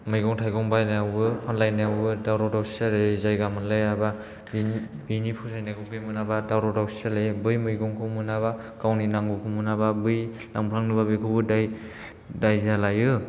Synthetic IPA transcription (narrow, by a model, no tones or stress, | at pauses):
mɯjɡɔŋtʰajɡɔŋbajnaawɯpʰanlajnajawbɯdawɾɔdawsi̥saɾɯzajɡamɯnlajaba | bibinipʰusʰajnaɡɔbemɯnabadawɾɔdawsi̥salajɯbɯjmɯjɡɔŋkʰɯmɯnaβa | kawninaŋɡukʰumɯnababɯj | laŋpʰlaŋnɯbabɯkʰɯbɯdaj | dajzalajɯ